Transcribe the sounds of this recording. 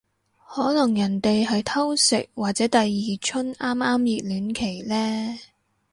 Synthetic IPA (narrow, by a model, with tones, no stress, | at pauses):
hɔː˨˥lɐ˨˩ŋjɐ˨˩nt̪e˨jɦɐ˨jt̪ʰɐ˥wsɪ̰˨k̚waː˨t̚t͡sɛː˨˥t̪ɐ˨jːiː˨t͡ʃʰɵ˥naː˥maː˥mjiː˨t̚lyː˨˥nkʰe˨˩jlɛː˥